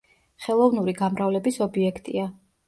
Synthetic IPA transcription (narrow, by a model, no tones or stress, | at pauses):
χɛlˠɔvnuɾiɡamɾavlɛbisɔbiɛkʰt̪ʼia